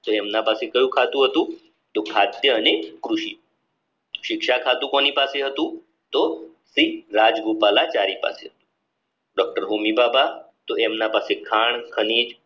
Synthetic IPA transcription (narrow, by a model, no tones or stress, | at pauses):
t̪oemnapasekəjũːkʰat̪ũɦət̪ũ | t̪okʰat̪jəənekɾuɕḭː | ɕikʂakʰat̪ukoñiːpaseɦət̪ũː | t̪o | siɾad͡zɡupalat͡ɕaɾiːpa̰seɦət̪u̥ | ɖɔk̚ʈəɾɦomibaba | t̪oemnapasekʰaɳkʰəniːd͡ʒ